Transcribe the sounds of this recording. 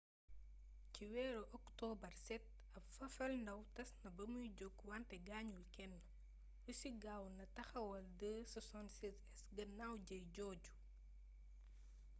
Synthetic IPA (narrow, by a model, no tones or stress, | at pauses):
ciwɛːɾɔʔɔktɔːbɐrsɛt̚ | ɐpfɐfɐlndɐwtɐsnɐbɐmujɟoɡwantɛɡaːɲulkɛnːɐ | wusiɡaːwnɐtɐxɐwɐldəsɐsɔnsisɛsɡɐnawɟɐjɟɔːɟu̥